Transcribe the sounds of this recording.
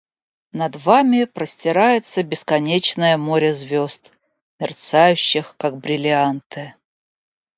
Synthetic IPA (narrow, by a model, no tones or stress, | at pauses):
nɐd̪vamʲɪpɾəsʲtʲɪɾajɪt̪səbʲɪskɐnʲet͡ɕnəjəmoɾʲəzvʲost̪ | mʲɪrt̪sajʉɕːɪxkaɡ̚bɾʲɪlʲɪant̪ɨ